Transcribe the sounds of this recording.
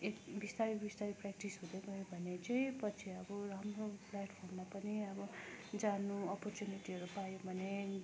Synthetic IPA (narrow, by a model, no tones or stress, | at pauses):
ekbist̪aɾibist̪aɾiprɛk̚ʈisɦũd̪joɡʌɦjobʱʌnet͡saĩpʌt͡sʰiʌbʌramroplaʈpʰormːapʌniʌbʌd͡zanuʌpɔrt͡ʃjuniʈiʌɾupajobʱʌne